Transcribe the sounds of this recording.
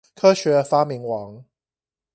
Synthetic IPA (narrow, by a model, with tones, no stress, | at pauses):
kʰɤː˥ʃɛ˨˥˧faː˥mi˨˥ŋwɑː˨˥ŋ